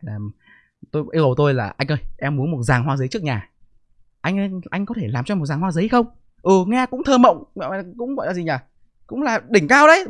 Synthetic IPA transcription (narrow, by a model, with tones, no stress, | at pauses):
laː˨˩ | t̪o˧jʔi˧˦wə˨˩wt̪o˧jla̰ː˨˩ʔa˧jŋ̟ʔəː˧jʔɛ˧mːu˨˦ənmo˨˩t̚zaː˨˩ŋɦwaː˧zə˨˦jt͡ɕɨ˦˥ək̚ɲaː˨˩ | ʔa˧jŋ̟ʔʔa˧jŋ̟kɔ˨˦t̪ʰe˧˩laː˨˩mt͡ɕɔ˧m˨˩t̚zaː˨˩ŋhwaː˧zə˨˦˧xə˧wŋ͡m | ʔɨ˨˩ŋɛ˧kʊ̰˧˥ŋ͡mt̪ʰəː˧mə̰˧˨wŋ͡mɔ̰˧˨˧kʊ̰˧˥ŋ͡mɣɔ̰˧˨laː˨˩zi˨˩ɲaː˨˩ | kʊ̰˧˥ŋ͡mlaː˨˩ɗï˧˩ŋ̟kaː˧wɗə˨˦j